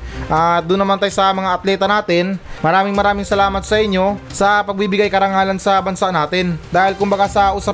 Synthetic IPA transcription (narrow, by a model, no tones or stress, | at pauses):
ʔad̪ʊnːɐmant̪ajsɐmɐŋaʔɐt̪lɛːt̪ɐnaːt̪ɪnmɐɾaːmɪŋmɐɾaːmɪŋsɐlaːmɐt̪̚sɐʔɪɲːo̞sɐpɐɡ̚bibɪɡajkɐɾɐŋaːlɐnsɐbɐnsaʔnaːt̪ɪnd̪aːhɪlkʊmbɐɡasɐʔʊsɐ